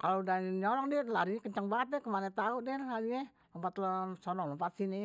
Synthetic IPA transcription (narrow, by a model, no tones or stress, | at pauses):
kalodaɲɔlɔŋdilaɾiɲɛkəɲt͡ʃaŋbaat̪̚ːɛkəmanat̪auʔ̚dilad͡ʒiɲɛ | əmpat̪ləsɔnɔŋləmpat̪̚sini